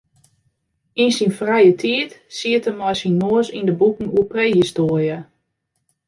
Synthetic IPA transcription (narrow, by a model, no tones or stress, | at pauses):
insinfrɛjətʰiətsiətəmɔjsinmoəsindəbukən̩uəpreːhistoərjə